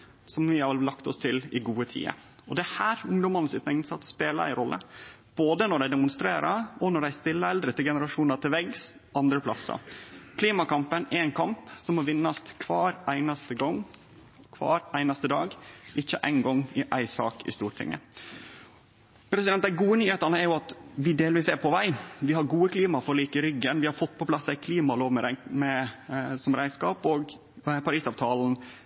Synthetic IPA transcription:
sɔmʋɪhɑɾlːɑkt̪ɔst̪ʰɪlɪɡuːət̪ʰḭːə̰ | ɔd̪ɛhæːɾʊŋd̪ɔmɑnəsɪt̪nɛŋnsɑt̪speːlɑæ̰ɪɾɔlːə̰ | b̥oːd̪ənɔɖæɪd̪ɛmʊnst̪ɾeːɾɑɔnɔɖæɪst̪ɪlːəɛld̪ɾət̪ːɪlɡɛnəɾɑʂuːnɑt̪ʰɪlʋɛɡs | ʔɑnd̪ɾəpʰlɑsːɑ̰kʰliːmɑkɑmpənæɾɛɪnkʰɑmpsɔmːɔʋɪnːɑst̪kʰʋɑːɾæɪnɑst̪əɡɔŋ | kʰʋɑ̰ːɾæɪnɑst̪əd̪ɑːɡʔɪçːəʔæ̰ɪnɡɔŋːɪʔæ̰ɪsɑ̰ːkɪ̰st̪uːɾʈʰɪ̰ŋːə̰ | pʰɾɛsɪd̪ɛnt̪d̪æɪɡuːənyːheːt̪ɑnəɛɾjʊɑt̪ʋɪd̪eːlʋiːsɛɾpʰɔʋæɪʋɪhɑɾɡuːəkʰliːmɑfɔɾɔliːkəɾʏɡːənʋɪhɑɾfɔt̪ːpʰɔpʰlɑsːæɪkʰliːmɑloːʋmɛɾæmɛsɔmɾʔæɪskɑːpoːɡ | pʰɑɾiːsɑːʋt̪ʰɑːln̩

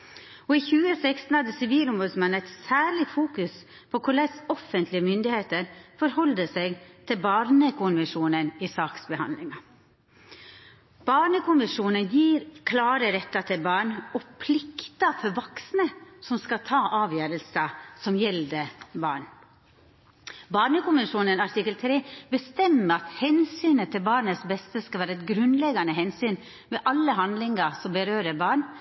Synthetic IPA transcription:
ɔiçʉːəsɛkst̪n̩hɑd̪əsɪʋiːlɔmʋɔːd̪smɑnːɛt̪sæːɭɪfuːkʉs | pʰɔkʰʊɭɛsɔfənt̪lɪəmʏnd̪ɪheːt̪əɾfɔɾhɔld̪əsɛɡt̪ʰɪlbɑːɾnəkʰʊnʋəʂuːnənisɑːksbəhɑ̰nlɪŋɑ | b̥ɑːɳəkʊnʋɪʂuːnənjiːɾkʰlɑːɾəɾɛt̪ːɑt̪ʰɪlbɑːɳɔpʰlɪkt̪əfɔɾʋɑksnəsɔmskɑt̪ʰɑːʔɑːʋjøːɾəlsəsɔmjɛld̪əbɑ̰ːɳ | bɑːɳəkʊmɪʂuːnənɑʈʰɪkːəlt̪ʰɾeːbəst̪ɛmːəɑt̪hɛnsyːnət̪ʰːɪlbɑːɳəsbɛst̪əskɑlʋæːɾəɛt̪̚ɡɾʉnlɛɡɑnəɦɛnsyːn | mɛʔɑlːəɦɑnd̪lɪŋɑsɔmbəɾøːɾəbɑːɳ

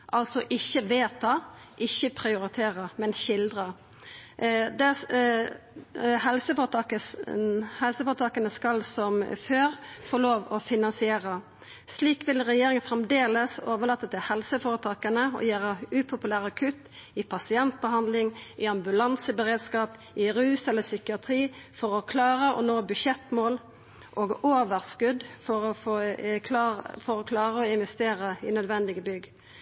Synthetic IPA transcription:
ʔɑlsɔʔɪçːəʋeːt̪ʰɑ | ʔɪçːəpʰɾɪʊɾɪt̪ʰeːʁəmɛnçɪld̪ɾə | d̪ɛ | hɛlsəfoə | hɛlsəfoːɾət̪ɑːkənəskɑlsɔmføːʁfoːloːʋɔfɪnɑnsɪeːʁə | sliːkʋɪlʁɛjeːɾɪŋənfɾɛmd̪eːləsoːʋəlɑːt̪ːət̪ʰɪlhɛlsəfoːɾət̪ʰɑːkənəɔ̰jæːɾəʉːpʰʊpʉlæːʁɑkʰʉt̪ɪpʰɑsɪɛnt̪̚bəɦɑnd̪lɪŋʔɪɑmbʉlɑnsəbəʁeːd̪skɑːp | ɪɾʉːsɛləsʏkɪɑt̪ʰɾiːfɔɾɔkʰlɑːɾəʔɔ̰noːbʉʃɛt̪moːl | ʔoːɡoːʋəʁskʉd̪fɔɾɔfoː | fɔɾɔkʰlɑːʁəɔɪnʋɛst̪eːɾəɪnœd̪ʋɛnd̪ɪɡəbʏɡː

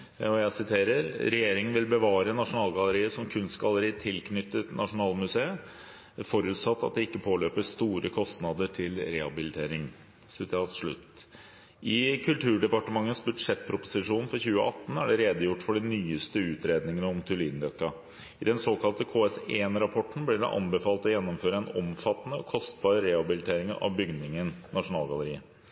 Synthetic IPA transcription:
ɔjæɪsɪt̪ʰeːɾəɾɾɛjeːɾɪŋənʋɪlbəʋɑːɾənɑʂʊnɑːlˠɡɑləɾiːəsɔmkʰʉnst̪ɡɑləɾiːət̪ʰɪlkʰnʏt̪ːət̪nɑʂʊnɑːlmʉseːə | fɔɾʉt̪sɑt̪ːɑ̰t̪̚d̪ɛɪkːəpʰoːløːpəst̪uːɾəkʰɔst̪nɑd̪əʈʰɪlɾɛhɑbɪlɪt̪ʰeːɾɪŋ | sɪt̪ʰːt̪ʂɭʉ̰t̪ | ʔɪkʰʉlt̪ʰʉːɖɛpɑʈəmɑŋːəsbʉd̪ʂɛt̪ːpʰɾʊpʊsɪʂuːnfɔɾçʉːə̰ʔɑ̰t̪ːn̩æɖɛɾeːd̪əjʊʈːfɔɖɛnyːəst̪əʉːt̪ɾeːd̪nɪŋənəɔmt̪ʰʉlɪːnɾœkːɑ | ɪd̪ɛnsoːkʰɑlt̪əkʰoːɛseːnɾɑpʰɔʈn̩blɪɖɛ̰ʔɑ̰nbəfɑːlt̪ɔjɛnːɔmføːɾəɛnɔmfɑt̪ːənəɔkʰɔst̪̚bɑːɾəɾɛhɑbɪlɪt̪ʰeːɾɪŋənɑ̰ʋbʏɡnɪŋənnɑʂʊnɑːlɡɑləɾiːə

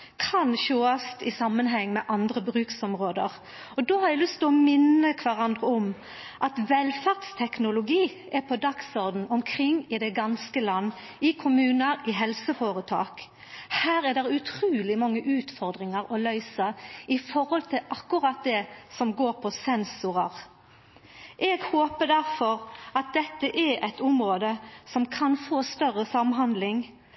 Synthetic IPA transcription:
kʰɑnʃoːɑst̪ɪsɑmːənɦɛŋːmɛʔɑnd̪ɾəbɾʉːksɔmʁoːd̪əʁ | ɔd̪oːhɑɾɛlʏst̪ʰlɔmɪnːəkʰʋæʁɑnd̪ʁəɔm | ʔɑt̪ʋɛlfæʁd̪st̪ʰɛknʊlʊɡiː | ʔɛpʰɔd̪ɑksɔɾd̪n̩ɔmkʰʁɪŋːɪd̪ɛɡɑnskəlɑnː | ɪkʰʊmʉːnəɾɪɦɛlsəfoːɾət̪ʰɑ̰ːk | hæːɾɛd̪ɛʁʉt̪ʰɾuːlɪmɑŋːəʔʉːt̪fɔʁd̪ɾɪŋəɾɔlœʏsəɪfɔɾhɔlt̪ʰɪlʔɑkːʊʁɑt̪̚d̪ɛsɔmɡoːʁpʰɔsɛnsʊʁəʁ | ʔɛɡhoːpəd̪æʁfɔɾɑt̪̚d̪ɛt̪ːəʔɛɛɪt̪ʊmɾoːd̪əsɔmkʰɑnfoːst̪œʁəsɑmɦɑnd̪lɪŋ

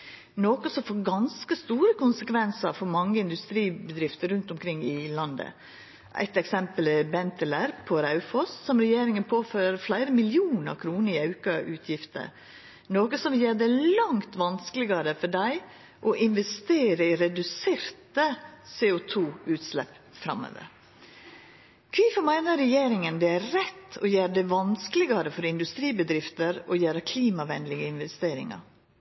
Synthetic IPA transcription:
noːkəsɔmfoːɾɡɑnskəst̪uːɾəkʊnsəkʰʋɛnsəɾfɔɾmɑŋːəɪnd̪ʉst̪ɾiːbəd̪ɾɪft̪əɾʉnt̪ʊmkʰɾɪŋːɪlɑnd̪ə̰ | ʔæ̰ɪt̪ɛksɛmpəlɛbɛnt̪əlæɾpʰɔɾɑʉfɔssɔmɾɛjeːɾɪŋənpʰoːføːɾɾəflæɪɾəmɪlɪuːnəɑ̰kʰɾuːnəɾɪɑʉkɑʔʉːt̪ʰjɪft̪ə̰ɾ | noːkəsɔmjeːd̪ɛlɑŋt̪ʋɑnskəlɪɡɑɾəfɔɖæɪ | ʔɔʔɪnʋɛst̪eːɾəɪɾɛd̪ʉseːɾt̪əseːʊt̪ʰuːʉːt̪slɛ̰pː | fɾɑ̰mːo̰ːʋə̰ɾ | kʰʋiːfɔmæɪnəɾɛjeːɾɪŋənd̪ɛæɾɛt̪ːɔjæːɾɖɛʋɑnsklɪɡɑɾəfɔɾɪnd̪ʉst̪ɾiːbəd̪ɾɪft̪əɾɔjæːɾəkʰliːmɑʋɛnlɪɡəɪnʋɛst̪eːɾɪ̰ŋɑ̰ɾ

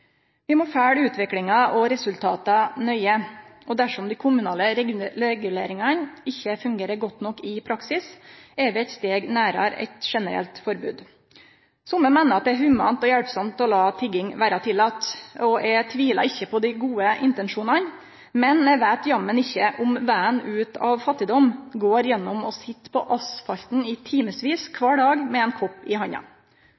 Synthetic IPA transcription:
ʋɪmɔfæːɽʉːt̪ʋɪklɪŋɑʔɔɾɛsʉlt̪ʰɑ̰ːt̪ɑnœʏəʔɔd̪æʂɔmd̪ɪkʰʊmʉnɑːləɛɡʉleːɾɪŋɑnɪçːəfʉŋɡeːɾəɾɡɔt̪ːnɔkːɪpʰɾɑksɪsɛʋɪɛt̪st̪eːɡnæːɾɑ̰ɾɛ̰ɪt̪ʂɛnəɾɛ̰lt̪fɔɾbʉ̰ːd̪ | sʊmːəmæɪnəɾɑt̪̚d̪ɛæɦʉmɑ̰nt̪ɔjæɽpsɔmt̪ɔlɑːt̪ʰɪɡɪŋʋæːɾɑt̪ʰɪlːɑːt̪ɔʔɛt̪ʰʋiːlɑ̰ɾɪçːəpʰɔd̪æɪɡuːəʔɪ̰nt̪ɛnʂuːnɑn | mɛnɛʋæːt̪jɑmːənɪçːəʔʊmʋæːənʉːt̪ʰɑ̰ʋfɑt̪ːɪd̪ɔmɡoːɾjɛnːɔmɔsɪt̪ːpʰɔʔɑsfɑlt̪n̩ɪt̪ʰiːməsʋiːskʰʋɑːɖɑːɡmɛɛnkʰɔpːɪɦɑɲɑ̰

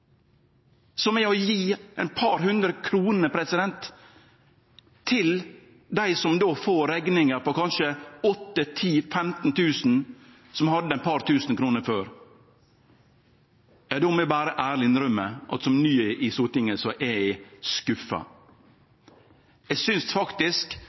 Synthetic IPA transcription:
sɔmɛɔjiːɛɪnpʰɑɾhʉnd̪ɾəkʰɾuːnəpʰɾɛsɪd̪ɛnt̪ | ɪl | d̪æɪsɔmd̪oːfoːɾɛɡnɪŋəɾpɔkɑnʃəɔt̪ːət̪ʰiːfɛmt̪n̩t̪ʰʉːsn̩ | sɔmhɑd̪ːəɛɪnpʰɑɾt̪ʰʉːsnkʰɾuːnəɾføːɾ | jɑːd̪ɔmɛbæːɾəʔæːɾlɪɪnɾœmːəʔɑ̰t̪sɔmnyːʔɪsuːt̪ɪŋəsɔʔɛɪskʉfːɑ̰ | ɛɡsʏnsfɑkt̪ɪsk

